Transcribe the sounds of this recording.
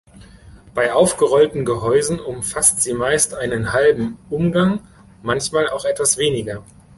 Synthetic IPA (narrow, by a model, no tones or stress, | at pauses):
b̥aɪʔaʊfɡ̥əʁɔltn̩ɡəɦɔʏzn̩ʊmfastz̥iːmaɪstʔaɪnənhalbm̩ʔʊmɡaŋ | mançmaːlaʊxɛtv̥asv̥eːnɪɡɐ